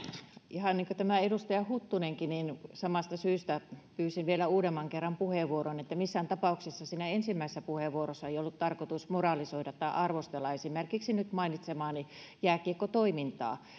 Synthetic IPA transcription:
ʔihɑnniːŋkot̪æmæedust̪ɑjɑhut̪ːuneŋkininsɑmɑst̪ɑsyːst̪æpyːsinʋielæuːdemːɑŋkerːɑmpuheʋuoronet̪ːæmisːænt̪ɑpɑˑuksesːɑsiːnæensimːæˑisesːæpuheʋuorosːɑeijolːut̪t̪ɑrkot̪usmorɑlisoidɑt̪t̪ːɑiʔɑrʋost̪elːɑesimerkiksinyt̪mɑinit̪semɑːni | jæːkiekːot̪oimint̪ɑ̰ː

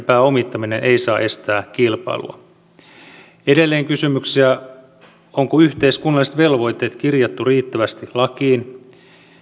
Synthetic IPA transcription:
pæːo̞mit̪ːɑmine̞nʔe̞isɑːʔe̞st̪æːkilpɑ̰ilṵɑ̰ | ede̞lːeːŋkysymyksiæ | oŋkoyht̪e̞iskunːɑlːˑiset̪ʋe̞lʋo̞jt̪e̞ːt̪kirjɑt̪ːuriːt̪ːæʋæst̪ilɑkiːn

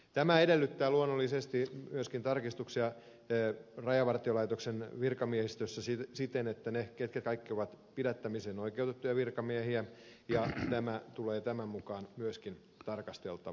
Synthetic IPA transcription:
t̪æmæedelːyt̪ːæːluonːolːisest̪imyøskint̪ɑrkist̪uksiɑ | rɑjɑʋɑrt̪iolɑit̪oksenʋirkɑmiehist̪øsːæssit̪enet̪ːæneket̪kæt̪kɑikːioʋɑt̪pidæt̪ːæmiseːnoikeut̪et̪ːujɑʋirkɑmiehiæjɑt̪æmæt̪uleːt̪æmæmmukɑːnmyøskin | t̪ɑrkɑst̪e̞̰lt̪ɑ

